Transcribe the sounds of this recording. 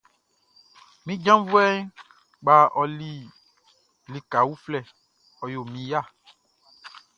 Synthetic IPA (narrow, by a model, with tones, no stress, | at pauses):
mĩ˦d͡ʒã˦vu˦ɛ˦ | ɡ͡ba˨ɔ˨li˨ | li˨ka˨wu˦flɛ˦˨ | ɔ˨jo˨mĩ˨ja˦˨